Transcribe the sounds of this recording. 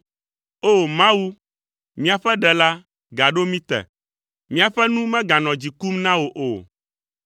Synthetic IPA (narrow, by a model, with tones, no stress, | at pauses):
o˦˨mã˦wu˦ | mĩ˦a˨ɸɛ˦ɖɛ˨la˦ | ɡa˨ɖo˦mĩ˦t̪ɛ̰˨ | mĩ˦a˨ɸɛ˦nũ˦mɛ̃˦ɡã˨nɔ̃˨d͡ʑi˨ku˦mnã˦wo˨ʔo̰˨